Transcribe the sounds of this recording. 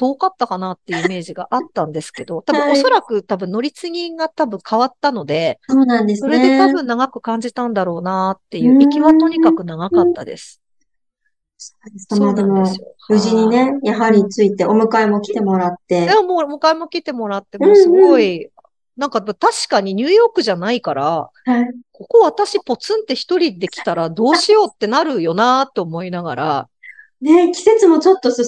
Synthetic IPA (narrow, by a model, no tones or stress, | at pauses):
d̪̥o̞ːkat̪ːakanat̪ːe̞jjɯ̟ime̞ːʑiɡaʔat̪ːãnd̪e̞sɨ̥ke̞d̪o̞t̪abɯ̟̃o̞so̞ɾakɯ̟t̪abɯ̟̃no̞ɾʲit͡sɨɡʲĩŋɡat̪abɯ̟̃ŋkʰaβat̪ːano̞d̪e̞soːnãnd̪essoɾe̞d̪e̞t̪abɯ̟̃nːaɡakɯ̟kãɲ̟d͡ʑit̪ãnd̪aɾo̞ːnat̪ːe̞jɯ̟ːikʲiβat̪o̞ɲ̟ikakɯ̟naɡakat̪ːad̪e̞̰sɨ̥ | so̥d̪eskamoad̪e̞mo̞o | ɯ̟ʑiɲ̟ine̞jaɦaɾʲit͡sɨit̪e̞o̞mɯ̟kaemo̞kʲi̥t̪e̞mo̞ɾat̪ːe̞d̪eomoːomɯ̟kaemo̞kʲit̪e̞mo̞ɾat̪ːe̞mõssɨɡo̞i | nãŋkat̪aɕi̥kaɲ̟iɲ̟ʲɨːjo̞ːkɯ̟ʑanaikaɾahaiko̞ko̞βat̪aɕipo̞t͡sɨ̃nt̪ːe̞çi̥t̪o̞ɾʲid̪e̞kʲi̥t̪aɾad̪o̞ːɕijo̞ːt̪ːe̞naɾɯ̟jo̞nat̪ːe̞omo̞inaɡa̰ɾa̰ | ne̞kʲi̥se̞t͡sɨmo̞t͡ɕo̞t̪ːo̞sɨ